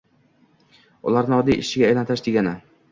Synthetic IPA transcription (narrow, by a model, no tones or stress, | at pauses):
ʊ̰laɾnɪɒd̪ijʔɪʃɪɡʲaːjlant̪ʰɪʃd̪eɡʲanɪ